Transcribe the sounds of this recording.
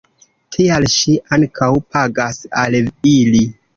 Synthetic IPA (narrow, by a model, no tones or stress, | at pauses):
tʰialʃiʔaŋkʰawpʰaɡasalili